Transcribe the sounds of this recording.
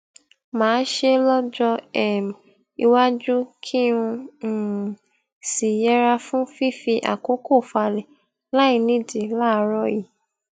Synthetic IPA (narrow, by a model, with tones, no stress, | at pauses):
mãː˨˦n˦ʃe˧lɔ˦d͡ʒɔ˧ɛ˦˨m | i˧wa˦d͡ʒu˦kʰi˦ũ˧˨ | si˨jɛ˦ɾa˧fũ˦fi˦˨fi˧ʔa̰˨ko˨˦ko˦˨fa˧lɛ˨ | la˦i˦˧˨nĩ˦di˨la˦˧ɾɔ˦ji˨